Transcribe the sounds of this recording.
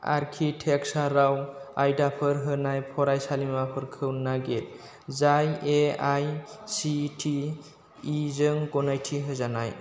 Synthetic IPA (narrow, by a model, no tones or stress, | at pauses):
a̰ɾkʰiʈʰeksaɾawajdapʰɯɾɦɯnajpʰɔɾajsalimapʰɯɾkʰɯwnaɡel | zajeajsiʈʰiː | zəŋkɔnajtʰiɦɯzanaj